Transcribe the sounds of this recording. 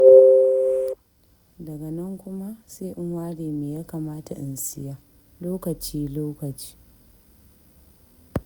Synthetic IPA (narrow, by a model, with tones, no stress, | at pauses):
dɐ˨ɡɐ˨nɐ˦ŋkʷʊ˦ma˦seː˦ʔɪ˦ŋwaː˦ɽeː˨meː˨ja˦kaː˨maː˦ta̰˨ʔɪ̰˨nsɪ˦jaː˦ | loː˦kɐ˨t͡ʃiː˦loː˦kɐ˨t͡ʃi̥ː˦